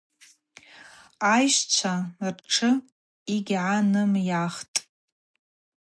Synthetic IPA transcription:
ajʃt͡ɕʷʰarʈ͡ʂʰɨ | iɡʲʕanɨmjaχtʼ

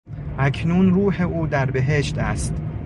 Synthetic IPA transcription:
ʔækʰnunruːheʔuːd̪æɾbe̞ɦeʃt̪æst̪

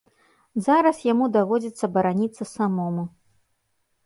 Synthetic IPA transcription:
zaɾɐsjamud̪avɔd͡zʲit̪sːɐbɐɾanʲit̪sɐsamɔmu

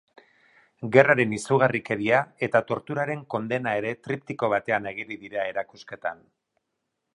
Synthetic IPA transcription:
ɡe̞raɾe̞nisuɣ̞arike̞ɾiae̞t̪at̪o̞ɾt̪uɾaɾe̞ŋko̞nd̪e̞nae̞ɾe̞t̪ɾipt̪iko̞β̞at̪e̞ane̞ɣ̞iriðiɾae̞ɾakuske̞t̪a̰n

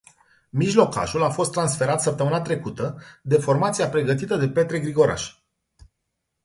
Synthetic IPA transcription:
miʒlo̞ka̰ʒulafo̞st̪ːɾansfe̞ɾat̪səp̚t̪əmɨnat̪ɾe̞kut̪əd̪e̞fo̞rmat̪siapɾe̞ɡət̪it̪əd̪e̞pe̞t̪ɾe̞ɡɾiɡo̞ɾa̰ʃ

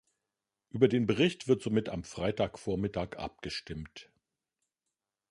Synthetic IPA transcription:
ʔyːbɐdeːnbəʁ̞ɪçtv̥ɪɐtz̥omɪta̰mfʁ̥aɪtaːkfoːɐmɪtaːkʔa̰p̚ɡ̥əʃtɪmt

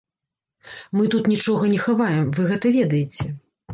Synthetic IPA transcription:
mɨt̪ut̪nʲit͡ʂɔɣɐnʲɛxavajɛmvɨɣɛt̪ɐvʲɛd̪ɐjɛt͡sʲɛ

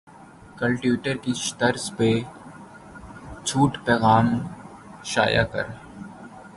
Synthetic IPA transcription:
kə̃lʈjuːʈəɾkiʃt̪əɾspe | t͡ʃʰuːʈpɛːɣaːm | ʃa̰ːja̰kɐ̰ɾ

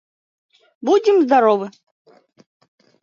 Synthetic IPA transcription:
bud͡zʲɪmzd̪aɾɔvɨ

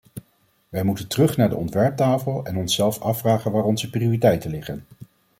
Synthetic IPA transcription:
ʋɛjmutəntərɵχnaːɹdə̰ʔɔntʋɛɹp̚taːfəlˠɛnɔnsɛlˠfɑfraːχənʋaːɹɔnzəpriʊːritɛjtənlɪχən

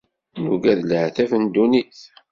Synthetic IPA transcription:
nuɡæðlʕθæfənd̪uniθ

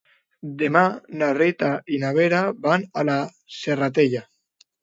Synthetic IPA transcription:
d̪emanarit̪ainaβeɾabanala | serat̪̬eʎa

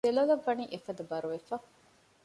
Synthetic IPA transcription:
d̪elɐlɐʋːɐniʔefɐd̪ɐbɐɾuʋefɐ

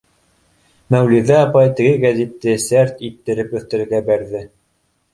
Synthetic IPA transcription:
mæwliðæɑpɑjt̪ɘ̆ɡɘɡæzit̪ːɘsæɾt̪it̪ːɘ̆ɾɘpɵ̆θt̪ɘ̆ɾɘ̆ɾɡæbæɾðɘ

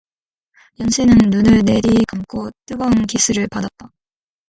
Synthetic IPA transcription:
jʌnɕʰinɯnːunɯɭne̞ɾikamk͈ʰot͈ɯɡʌnkisʰɯɾɯɭpadap̚t͈a

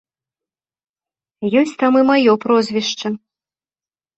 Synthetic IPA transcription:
jɔsʲt͡sʲt̪amɨmajɔpɾɔzʲvʲiʂt͡ʂɐ

